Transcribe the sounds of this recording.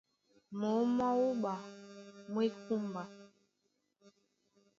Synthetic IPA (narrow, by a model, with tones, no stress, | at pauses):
mo˨˦mɔ˦wu˦ɓa˨mwe˦ku˦mba˨